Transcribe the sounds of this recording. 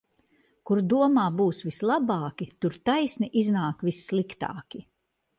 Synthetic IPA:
kuɾd̪uɔmaːbuːsvislˠabɑːkʲit̪uɾt̪ajsniʔiznaːkvisːlˠikt̪a̰ːkʲi

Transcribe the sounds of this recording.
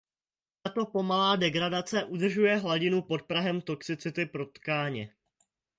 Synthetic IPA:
t̪at̪o̞po̞malaːdɛɡɾadat͡sɛʔud̪r̩ʒujɛɦlaɟɪnupo̞t̪̚pɾaɦɛmt̪o̞ksɪt͡sɪt̪ɪpɾo̞t̪kaːɲɛ

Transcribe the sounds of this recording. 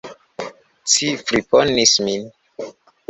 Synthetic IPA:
t͡sifɾiponismin

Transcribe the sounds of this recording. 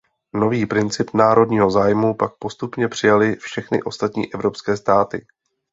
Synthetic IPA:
no̞viːpɾɪnt͡sɪpnaːɾo̞dɲiːɦo̞zaːjmupak̚po̞st̪upɲɛpr̝̥ɪjalɪfʃɛxnɪ̰ʔo̞st̪at̪ɲḭːʔɛvɾo̞pskɛːst̪aːt̪ɪ

